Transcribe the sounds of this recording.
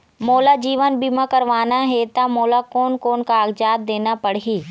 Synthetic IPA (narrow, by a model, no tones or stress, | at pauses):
moːlad͡ʒiːʋənbimãkəɾʋaːnaɦet̪amoːlakoːnkoːnkaːɡd͡ʒaːd̪̚d̪eːnapəɽɦiː